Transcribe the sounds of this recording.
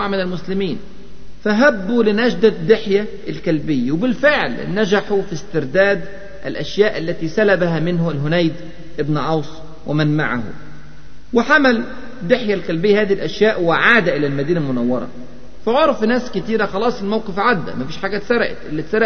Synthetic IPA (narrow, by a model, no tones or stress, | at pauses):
ʕmɪnælmʊslɪmiːn | fæɦæbːulɪnæʃd̪æd̪ːɪħjæ | ʔlkælbɪjːawɪbɪlfɪʕlnæd͡ʒaħufist̪ɪɾd̪æːd̪ | ʔælʔæʃjæːʔalːæt̪iːsælæbaɦæmɪnhʊælɦʊnæjd̪ | ʔɪbnʕɑwsˤ | wɪmænma̰ʕa̰hṵ | wɪħamæl | d̪ːɪħjælkælbɪjːæhæːðihilʔæʃjaːʔwɪʕaːd̪æʔɪlælmæd̪iːnælmʊnæwːɑɾˤɑ̰ | fæʕoɾˤfnæːskɪt̪iːɾæxɑlɑːsˤɪlmawqɪfʕad̪ːæ̰mæfiːʃħaːɡæt̪sæɾ̰ˤʔɪ̰t̪ʔɪlːit̪sæɾˤʔ